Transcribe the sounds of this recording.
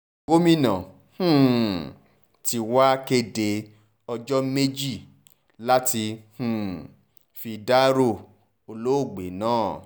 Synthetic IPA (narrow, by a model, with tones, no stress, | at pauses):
ɡo˦mĩ˦nã˨ | hũ˦˨ | ti˧wa˦ke˧de˧ | ɔ˧d͡ʒɔ˦me˦d͡ʒi˦˨ | la˦ti˧hũ˨ | fi˧da˦ɾo˦˨ | o˧lo˦o˦˨ɡ͡be˨˦nãː˦˨